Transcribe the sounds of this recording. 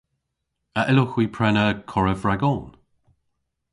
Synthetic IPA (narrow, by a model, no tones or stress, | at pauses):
əʔɪlʊxwiːpʰɹɛnəkʰɔɹəvɹaɡɔn